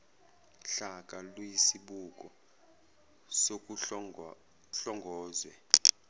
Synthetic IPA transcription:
ɬakʼalwjisiɓukʼɔ | sok̬ʼ | ɬɔŋɡʱɔːzwɛ

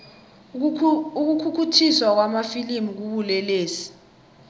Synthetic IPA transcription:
uk̬ukʰukʰutʰiswak̬wamafilimuk̬uɓulɛleːsi̥

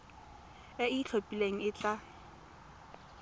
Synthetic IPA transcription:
ɛit͡ɬʰopʼileŋ̩ɪt͡ɬʼa

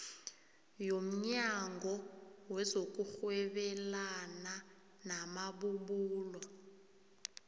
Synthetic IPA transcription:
jom̩ɲaŋɡʱɔwɛzok̬ʼuxwɛɓɛlana | namaɓuɓuːlɔ

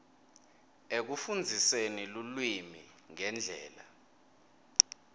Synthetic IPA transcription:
ek̬ufund͡zʱisenilulwimḭ | ŋɛnd͡ɮʱɛ̰ːla

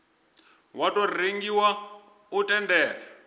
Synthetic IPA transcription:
watʼɔrreŋɡiwa | utʼɛndɛːra

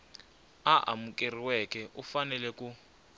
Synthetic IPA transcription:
aʔa̰mukʼeriwɛkɛʔufanɛlɛku

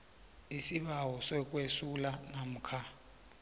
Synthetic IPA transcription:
isiɓawɔsɛk̬ʼwesulanam̩ːkʰa

